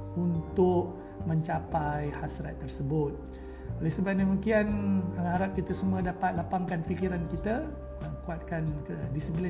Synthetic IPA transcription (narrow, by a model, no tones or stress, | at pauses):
unt̪ʊʔ | mə̃ɲt͡ʃapajhasɾat̪ːərsəbʊt̪̚ | olɛsəbap̚dəmikianəaɾap̚kit̪əsumuədapat̪̚lapaŋkanfikiɾankit̪a | əkuat̪̚kandisipli